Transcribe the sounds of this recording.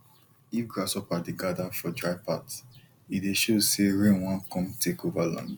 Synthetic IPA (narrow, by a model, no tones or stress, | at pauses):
ifɡɹasɔpadeɡadafɔdɹaɪpat | ideʃoseɹẽnwãnkɔ̃mtʰekovalã̰nd